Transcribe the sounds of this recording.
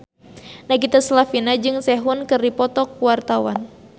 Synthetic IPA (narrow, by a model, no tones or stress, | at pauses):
naɡit̪aslafinad͡ʒɨŋsɛɦunkɨrdipɔt̪ɔkuwart̪awa̰n